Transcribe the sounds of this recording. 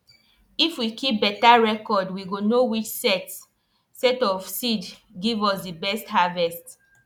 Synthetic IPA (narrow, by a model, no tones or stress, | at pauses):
ifwikʰip̚bɛtaɹɛkɔdwiɡonowit͡ʃsɛts | sɛtɔfsid | ɡivɔsdibɛsthavɛst